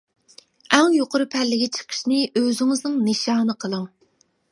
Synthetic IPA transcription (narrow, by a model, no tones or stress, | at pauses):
ɛŋjoqʊɾɨpʰɛlːɪɡʲit͡ʃʰə̥qʰə̥ʃnɪʔøzɪŋɪznɨŋnɨʃɑːnɨqʰəlˠɨŋ